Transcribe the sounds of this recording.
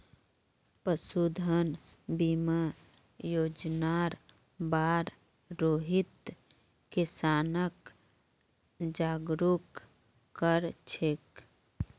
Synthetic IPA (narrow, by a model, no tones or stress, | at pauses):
pəsud̪ʱən | bima | joːd͡ʒnaɾ | baːɾ | ɾoːɦɪt̪ | kɪsaːnək | d͡ʒaːɡɾukː | əɾt͡ʃʰek